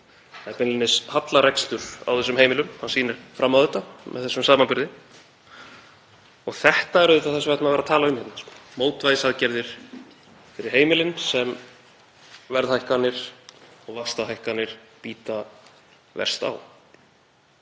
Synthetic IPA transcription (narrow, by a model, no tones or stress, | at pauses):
aɛɾpɪnlɪnːɪshat̪laɾɛkst̪ʏɾ̥a̰wθɛsːʏmheːjmɪlʏmhansiːnɪɾ̥fɾamawðʏt̪ːamʔɛ̰ðθɛsːʏmsaːmanpʏɾðɪ | ɔɣθɛht̪aɛɾʏʏːt̪aθɛsːʏvɛht̪mavaɾat̪ʰaːlaʏmhɛt̪nasmoːwt̪vajðɪsaðcɛɾðɪɾ̥ | fɪɾɪɾ̥heːjmɪlɪnsɛm | vɛɾðhajhkanɪɾ̥ɔɣvafst̪aɦajhkanːɪɾ̥piːt̪a | vɛ̰r̥st̪a̰w